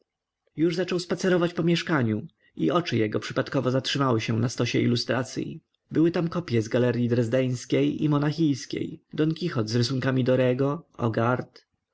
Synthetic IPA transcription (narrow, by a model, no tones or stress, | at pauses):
juʐzat͡ʂɔwspat̪sɛɾɔvat͡ɕpɔmʲjɛʂkaɲu | iʔɔt͡ʂɘjɛɡɔpʂɘpat̪kɔvɔzatʂɘmawɘɕɛnast̪ɔɕɛ̰ḭlust̪ɾat̪sʲjḭ | bɘwɘt̪amkɔpʲjɛzɡalɛɾʲjid̪ɾɛzd̪ɛj̃skʲejḭmɔnaxʲijskʲḛjd̪ɔŋkʲixɔt̪zɾɘs̬uŋkamʲid̪ɔɾɛɡɔɔ̰ɡaɾt̪